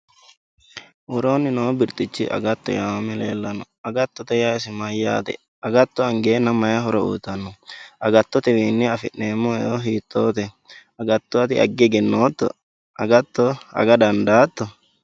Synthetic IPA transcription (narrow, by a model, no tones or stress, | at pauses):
wɔɾoːnːɪnobɪɾt̪ʼɪt͡ʃːɪ̰ʔɐ̰ɡɐt̪ːɔ̰jamɛlḛːlːɐnɔ | ɐɡɐt̪ːɔt̪ɛjaɪsɪmɐjːa̰ːt̪ɛ̰ | ɐɡɐt̪ːɔɐŋɡeːnːɐmɐjɐɦɔɾɔṵːt̪ːɐnːɔʔɐɡɐt̪ːɔt̪ɛwiːnːɪɐfɪʔneːmːɔoɦiːt̪ʰʼːoːt̪ɛ | ɐɡɐt̪ːɔɐt̪ɪʔɐ̰ɡːɛɡɛnːoːt̪ːɔ̰ | ɐɡɐt̪ːɔɐ̰ɡɐd̪ɐnd̪aːt̪ːɔ